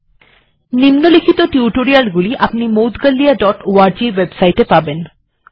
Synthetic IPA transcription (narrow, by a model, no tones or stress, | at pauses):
nimnolikʰit̪oʈiuʈoɾialɡuliʔapnimowt̪ɡalːijaɖɔʈoaɾd͡ʑiwebsajʈepaben